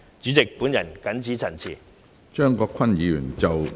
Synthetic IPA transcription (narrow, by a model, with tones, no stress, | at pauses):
t͡ʃy˨˥t͡sɪ˨k̚puː˨˥njɐ˨˩nkɐ˨˥nt͡siː˨˥t͡sʰɐ˨˩nt͡sʰiː˨˩ | t͡ʃœː˥˩ŋkɔː˧kʰɐ˥njiː˨˧jyː˨˩nt͡sɐ˨w